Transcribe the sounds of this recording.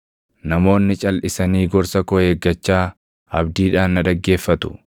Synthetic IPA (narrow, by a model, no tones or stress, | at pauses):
nɐmo̞ːnːɪt͡ʃʼɐlʔɪsɐniːɡɔɾsɐkɔhe̞ːɡːɐt͡ʃːaː | ɐbd̪iːᶑaːnnɐd̪ɐɡːe̞ːfːɐt̪ʊ̥